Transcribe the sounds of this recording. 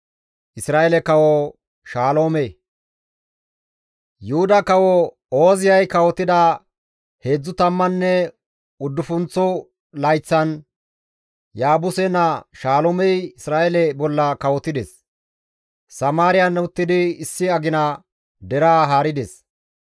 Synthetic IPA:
ʔɪsɾaːjelɛkɐwɔ | ʃaːlo̞ːmɛ | jʊhʊd̪ɐkɐwɔ | oːzɪjɐjkɐwɔt̪ːɪd̪ɐ | he̞ːd͡zːʊt̪ɐmːɐnːɛ | ʊd̪ːʊfʊnt͡sːɔ | lɐjt͡sːɐn | jaːbʊsɛnɐʃaːloːmɛjɪsɾaːʔɛlɛbɔlːɐkɐwɔt̪ːɪd̪ɛs | sɐmaːɾɪjɐnːʊt̪ːɪd̪ɪɪsːɪɐɡɪnɐ | d̪ɛɾaːɦaːɾɪd̪ɛs

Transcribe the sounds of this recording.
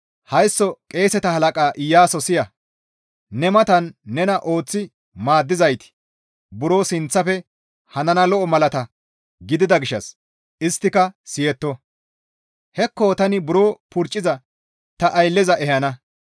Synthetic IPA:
hɐjsːɔkʼe̞ːsɛt̪ɐhɐlɐkʼaːʔɪjːaːsɔsɪjɐ | nɛmɐt̪ɐnːɛnɐʔo̞ːt͡sːɪ | maːd̪ːɪzɐjt̪ɪ̥ | bʊɾo̞ːsɪnt͡sːɐfɛ | hɐnɐnɐlɔʔɔmɐlɐt̪ɐ | ɡɪd̪ɪd̪ɐɡɪʃːɐ̰s | ɪst̪ːɪkɐsɪjɛt̪ːɔ | hɛkːoːt̪ɐnɪbʊɾo̞ːpʊɾt͡ʃʼːɪzɐ | t̪ɐʔɐjlːɛzɐʔɛhɐnɐ

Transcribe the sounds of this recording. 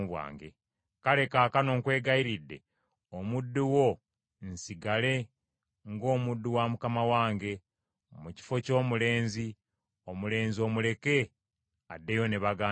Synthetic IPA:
βwa̰ːŋɡḛ | kale̞kaːkano̞ːŋkwe̞ːɡaiɾidːe̞̰ | omudːuwo̞ | nsiɡale̞ | ŋɡo̞ːmudːuwamukamawaːŋɡe̞ | muci̥fo̞co̞ːmule̞ːnzi | omule̞ːnzio̞ːmule̞ke̞ | adːe̞jo̞neβaɡaː

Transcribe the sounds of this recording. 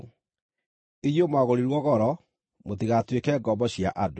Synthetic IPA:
iɣjomaɣoɾiɾwɔɣɔɾɔ | motiɣatwekɛːɡɔbɔɕiaʔado

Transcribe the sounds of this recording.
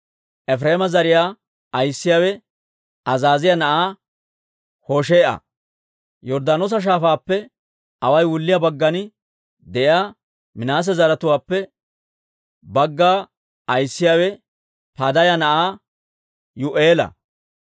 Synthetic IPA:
ʔɛfɾeːmɐzɐɾɪjaː | ɐjsːɪjaːwɛ | ɐzaːzɪjanɐʔaː | hoːʃeːʔɐ̰ | jɔɾd̪aːnoːs̬ɐʃ̬aːfaːpːɛ | ɐwɐjwʊlːɪjaːbɐɡːɐnɪ | d̪ɛʔjaː | mɪnaːs̬ɛzɐɾɐt̪ʊwaːpːɛ | bɐɡːaː | ɐjsːɪjaːwɛ | pad̪ɐjɐnɐʔaː | jʊʔeːlɐ̰

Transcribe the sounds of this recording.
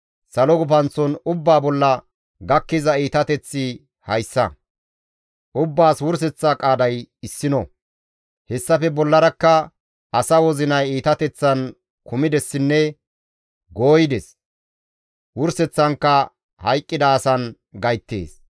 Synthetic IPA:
sɐlɔɡʊpɐnt͡sːɔnʊbːaːbɔlːɐ | ɡɐkːɪzɐiːt̪ɐt̪ɛt͡sːɪ | hɐjsːɐ̰ | ʔʊbːaːswʊɾs̬ɛt͡sːakʼaːd̪ɐjɪsːɪnɔ | hɛsːɐfɛbɔlːɐɾɐkːɐ | ʔɐsɐwɔzɪnɐjiːt̪ɐt̪ɛt͡sːɐn | kʊmɪd̪ɛsːɪnːɛ | ɡo̞ːjɪd̪ɛs | wʊɾsɛt͡sːɐŋkːɐ | hɐjkʼːɪd̪ɐːsɐn | ɡɐjt̪ːḛːs

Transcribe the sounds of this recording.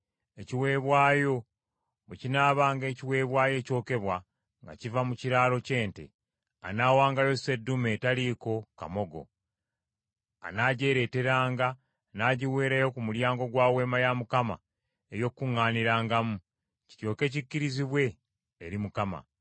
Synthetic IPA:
eciwe̞ːβwaːjo̞ | wecinaːβaːŋɡe̞ːciwe̞ːβwaːje̞ːco̞ːke̞βwa | ŋɡa̰civamuciɾaːlo̞ce̞ːnte̞̰ | a̰naːwaːŋɡajo̞se̞dːume̞ːtaliːko̞ka̰mo̞ɡo̞̰ | a̰naːɟe̞ːɾe̞ːte̞ɾaːŋɡa | naːɟiwe̞ːɾajo̞kumuljaːŋɡo̞ɡwaːwe̞ːmajamukama̰ | ejo̞kːuŋːaːniɾaːŋɡamu | ci̥co̞ːke̞cicːiɾiziβwe̞ː | ɾimukama̰

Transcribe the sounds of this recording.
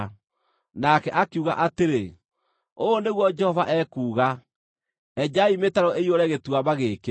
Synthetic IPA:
nakɛʔakeuɣa̰ʔateɾe | oːneɣwɔd͡ʒɛhɔvaʔɛkuːɣa | ɛd͡ʒaimetaɾɔeioɾɛɣetwaβaɣeːke

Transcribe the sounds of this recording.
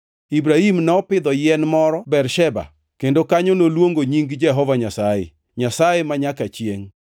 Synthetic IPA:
ibɾahimnɔpɪd̪ɔjɪɛnmɔɾɔbɛrʃɛba̰ | kendokaɲonolwoŋɡoɲiŋɡd͡ʒɛɦɔvaɲasajḛ | ɲasajemaɲakat͡ʃjeŋ

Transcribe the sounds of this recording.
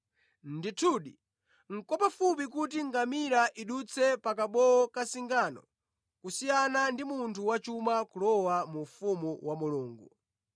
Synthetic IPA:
nditʰuːɗi | ŋ̩kɔpafup̬ik̬utiŋɡamiɾaʔiɗut͡sʰɛpakaɓɔɔkasiŋɡaːnɔ̰ | kusijanandimuntʰuwat͡ʃumakulɔwamufumuwamuluːŋɡṵ

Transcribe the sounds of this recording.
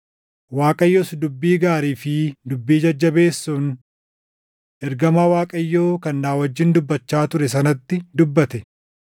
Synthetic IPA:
waːkʼɐjːosd̪ʊbːiːɡaːɾiːfɪd̪ʊbːiːd͡ʒɐd͡ʒːɐbe̞ːsːun | ʔɛɾɡɐmaːwaːkʼɐjːoːkɐnːaːwɐd͡ʒːɪnd̪ʊbːɐt͡ʃːaːt̪ʊɾɛs̬ɐnɐt̪ːɪd̪ʊbːɐt̪ɛ

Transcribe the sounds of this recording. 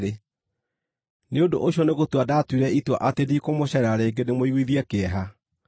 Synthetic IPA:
e | neondo̰ʔoɕiɔneɣotwadaːtwiɾɛitwa̰ʔatedikomoɕɛɾaɾeːɡenemoiɣwiðiɛkeɛɦa

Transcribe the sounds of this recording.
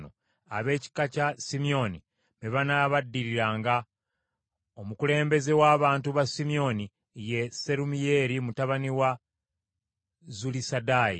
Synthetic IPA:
no | a̰βe̞ːci̥kacasimio̞ni | meβanaːβadːiɾiɾaːŋɡa | omukule̞ːmbe̞ze̞waːβaːntuβasimio̞ni | je̞se̞ɾumije̞ːɾimutaβaniwa | zulisadaːjḭ

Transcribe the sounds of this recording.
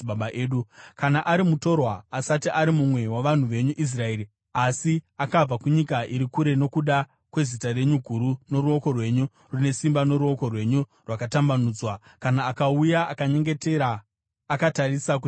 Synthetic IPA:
ɓaɓaʔeːɗukanaʔaɾimuto̞rwaːsatiʔaɾimumwe̞waʋan̤uʋe̞ɲuʔis̬rae̞ːɾi | asiakab͡vakuɲikaʔiɾikuɾe̞no̞kuɗa | kwe̞zitare̞ɲuɡʱuɾuno̞ɾuo̞ko̞rwe̞ɲu | rune̞simbano̞ɾuo̞ko̞rwe̞ɲurwakatambanuːd͡zwakanaːkaujaʔakaɲe̞ŋɡe̞teɾaː | katarisaku

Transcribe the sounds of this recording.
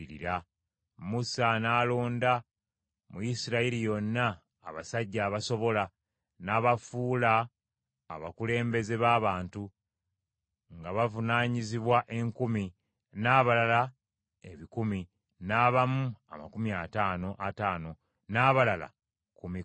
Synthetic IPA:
iɾḭɾa | musanaːloːnda | mujisiɾailijo̞nːaː | βasaɟːaːβaso̞βo̞la | naːβafuːla̰ː | βakule̞ːmbe̞ze̞βaːβaːntu | ŋɡaβavunaːɲiziβwaʔe̞ŋkumi | naːβalala | e̞βikumi | naːβamua̰ma̰kumiataːno̞ʔataːno̞ | naːβalala̰ | kumi

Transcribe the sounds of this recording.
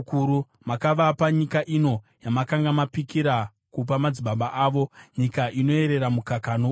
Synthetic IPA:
kuɾu | makaʋapaɲikaʔino̞ | jamakaŋɡamapikiɾa | kup̬amad͡ziɓaɓaʔaːʋo̞ɲikaʔino̞e̞ɾe̞ɾamukakano

